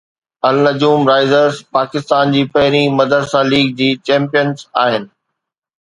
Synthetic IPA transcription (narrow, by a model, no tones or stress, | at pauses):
ɐlnɐd͡ʑuːmɾaːɪzəɾzpaːkɪst̪aːnd͡ʑiːpɐɦɪɾimɐd̪ʱəɾsãliːɡ̚d͡ʑiːt͡ɕɛ̃ːmpijənzaːɦɪnɪ̆